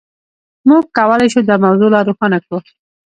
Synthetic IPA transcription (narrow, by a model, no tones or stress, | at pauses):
muɡ̚kawəlajʃud̪əmawzolɑɾuxɑnakɽu